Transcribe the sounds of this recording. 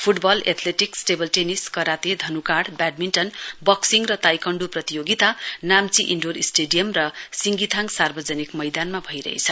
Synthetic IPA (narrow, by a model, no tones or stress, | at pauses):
pʰuʈbʌlḛt̪ʰleʈiksʈebʌlʈeniskʌɾat̪ed̪ʱʌnukaɽbaɖ̚minʈʌnbʌksiŋrʌt̪ajkʌɳɖuprʌt̪ijoɡit̪anamt͡siʔiɳɖorisʈeɖijʌmrʌsiŋɡit̪ʰaŋsarbʌd͡zʌnikmʌjd̪anmabʱʌjɾʌ̰ɦḛt͡sʰʌ